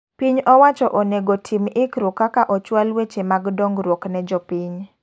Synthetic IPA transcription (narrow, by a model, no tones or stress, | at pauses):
piɲɔwat͡ʃɔʔoneɡotʰimɪkɾʊkːakaʔɔt͡ʃwalwet͡ʃemaɡdɔŋɡɾwoknɛd͡ʒɔpiɲ